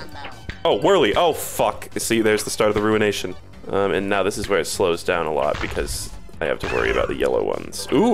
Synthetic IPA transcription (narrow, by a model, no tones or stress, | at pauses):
oʊwɜ˞lˠiʔoʊfʌksiðə˞zðɨstɑɹɾʌvðɨɹʉɨ̃neɪʃɨ̃n | ʌ̃mɨ̰̃nːaʊðɪsɨzwə˞ɨtsloʊzdãʊ̃nəlɔ̰t̚b̥ɨkʰʌz̥ | aɪhæ̰ftʰəwɜ̰˞ḭɨ̰ba̰ʊt̪̚ðɨ̰jɛ̰lˠo̰ʊwʌ̰̃nz̥u